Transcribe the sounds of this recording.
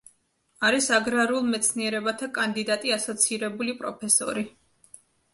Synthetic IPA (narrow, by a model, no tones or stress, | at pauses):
aɾisaɡɾaɾulˠmɛt̪sʰniɛɾɛbat̪ʰakʼand̪id̪at̪ʼiasɔt̪sʰiɾɛbulipʼɾɔpʰɛsɔ̰ɾi